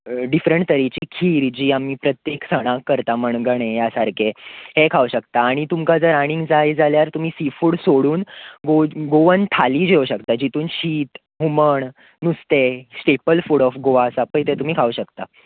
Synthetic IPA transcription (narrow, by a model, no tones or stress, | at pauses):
ɖifɾəɳʈt̪əɾit͡ɕiːkʰiːɾd͡ʑiːamiːpɾət̪jeksəɽ̃ãkːəɾt̪aməɳɡəɳ̃ejasaɾkʰehekʰauɕəkt̪aːɽ̃it̪umkad͡zəɾaɽ̃ĩŋɡd͡zajd͡zaljaɾt̪um̤iːsifuːɽsoɽuːnɡoɡoʋənt̪ʰaliːd͡ʑeʋɕəkt̪ad͡ʑit̪uːnɕiːt̪ | ɦuməɳ | nust̪esʈepəlfuɽɔfɡoʋaəsapəjt̪et̪um̤iːkʰauɕəkt̪a